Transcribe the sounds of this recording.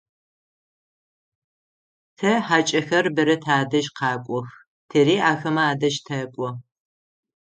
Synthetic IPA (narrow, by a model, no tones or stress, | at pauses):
tʰɐħaːt͡ʃʼɐxɐrbɨɾɐtʰaːdɐʒqɑːkʷʼɔx | tʰɨɾiːʔaːxɐmɐaːdɐʃtʰɐkʷʼɔ